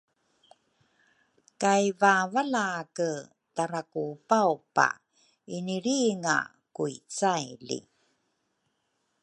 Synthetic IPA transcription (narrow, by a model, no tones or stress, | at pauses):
kajvavalaːkə | taɾakupawpa̰ | iniɾiŋa̰ | kuit͡sajlḭ